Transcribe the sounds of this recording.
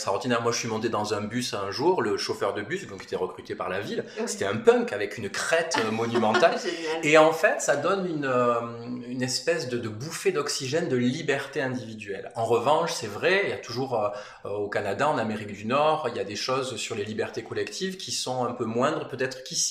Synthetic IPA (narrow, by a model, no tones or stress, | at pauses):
saʁɔ̃t̪inɛʁmwaʒəsɥimɔ̃t̪ed̪ɑ̃zɛ̃bysɛ̃ʒuʁləʃofœʁd̪əbysd̪ɔ̃ke̥t̪ɛʁəkχyt̪epa̰ʁlavilset̪ɛɛ̃pœ̃ŋkavɛkynkχɛt̪mɔnymɑ̃t̪aleɑ̃fɛt̪sad̪ɔnynø | ynɛspɛsd̪əd̪əbufed̪ɔksiʒɛnd̪əlibɛʁt̪eɛ̃d̪ivid̪ɥɛlɑ̃ʁəvɑ̃ʃsɛvʁɛijat̪uʒuʁø | øokanad̪aɑ̃nameʁikd̪ynɔʁiljad̪eʃɔzsyʁlelibɛʁt̪ekɔlɛkt̪ʰivkʲʰisɔ̃ɛ̃pømwɛ̃d̪ʁəpøt̪ɛt̪χəkisi̥